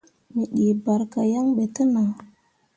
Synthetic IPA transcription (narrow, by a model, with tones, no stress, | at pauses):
mi˨ɗi˨ba˨ɾka˨ja˦ŋɓe˨tə˦na˨ŋ